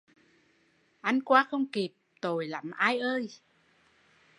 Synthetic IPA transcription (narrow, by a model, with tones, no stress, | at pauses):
ʔa˧nkwaː˧˦xə˧wŋ͡mki˨˩p̚t̪o˨˩jla˨˦mʔaː˧jʔəː˧j